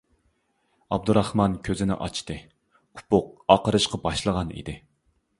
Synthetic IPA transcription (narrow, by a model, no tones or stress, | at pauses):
ɑb̚d̪uɾɑχmɑnkʲʰøzɪnɪ̰ʔɑ̰t͡ʃʰt̪ɨ | u̥pʊq̚ɑqəɾɨʃqɑbɑʃlˠəʁɑnḭd̪ɪ